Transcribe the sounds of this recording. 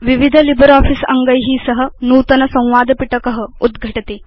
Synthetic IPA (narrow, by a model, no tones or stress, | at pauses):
ʋiʋid̪ʱəlibəɾɔːfisɐŋɡəjɦiːsəɦənuːt̪ɐnɐsɐ̃w̃ʋaːd̪ʱpiʈəkəɦəud̪ɡʱəʈɐt̪eː